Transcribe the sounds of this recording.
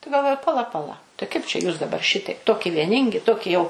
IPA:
tɐɪ ɡɐlˠˈʋoːjʊ pɐˈlˠɐ pɐˈlˠɐ tɐɪ kɐɪp t͡ʃʲɛ juːs dɐˈbɐr ˈʃʲɪtɐɪp ˈtoːkʲɪ ʋʲiɛˈnʲɪŋʲɡʲɪ ˈtoːkʲɪ jɛʊ

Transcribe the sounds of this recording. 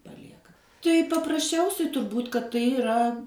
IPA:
pɐˈlʲiɛkɐ tɐɪ pɐprɐsʲˈt͡ʃʲɛʊsʲɛɪ tʊrˈbuːtʲ kɐt tɐɪ ɪˈrɐ

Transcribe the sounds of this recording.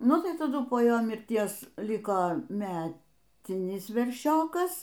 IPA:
ˈnʊ tɐɪ tɐˈdʊ poː ˈjoː mʲɪrʲˈtʲiɛs ˈlʲɪkoː ˈmʲæːtʲɪnʲɪs ʋʲɛrʲˈʃʲoːkɐs

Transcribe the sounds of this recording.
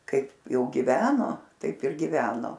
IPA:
ˈkɐɪp ˈjɛʊ ɡʲɪˈʋʲæːnoː ˈtɐɪp ɪr ɡʲɪˈʋʲæːnoː

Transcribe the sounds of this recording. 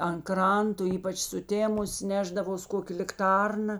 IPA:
ɐn ˈkrɐntoː ˈiːpɐt͡ʃ sʊˈtʲeːmʊs ˈnʲæːʒdɐʋoːs ˈkoːkʲeː lʲɪkˈtɐrnɐ

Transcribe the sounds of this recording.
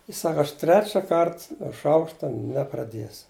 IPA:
jɪs ˈsɑːkɐ ɐʃ ˈtʲrʲæːt͡ʃʲɛ ˈkɐrt nuɔ ˈʃɐʊkʃtɐ nʲɛprɐˈdʲiɛsʊ

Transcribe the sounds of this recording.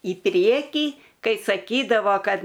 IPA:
iː ˈpʲrʲiɛkʲiː ˈkɐɪ sɐˈkʲiːdɐʋoː ˈkɐt

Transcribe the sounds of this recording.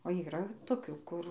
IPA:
oː iːˈrɐ toːˈkʲuː ˈkʊr

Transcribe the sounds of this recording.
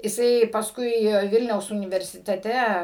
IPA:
jɪˈsɐɪ pɐsˈkʊɪ ˈʋʲɪlʲnʲɛʊs ʊnʲɪʋʲɛrʲsʲɪtʲɛˈtʲɛ

